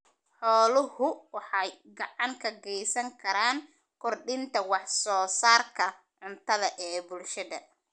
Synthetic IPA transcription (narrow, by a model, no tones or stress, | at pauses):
ħɔːlʊhʊwɑħɑjɡɑʕɑŋkʰɐɡɛjsɐŋkʰɐɾaːŋ | kʰɔrɖɪnt̪ʰɐwɑħsɔːsaːrkʰɐ | ʕʊnt̪ʰɐðɐʔɛːbʊlʃɐðɐ